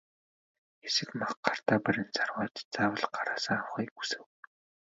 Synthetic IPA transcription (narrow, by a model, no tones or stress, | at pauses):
ɡesɘ̆kmaχɢar̥t̪aːpæɾʲɪ̆nt͡sʰarwaːt̪t͡saːwə̆ɮɢaɾaːsə̆ŋawχiːku̥sɘ̆w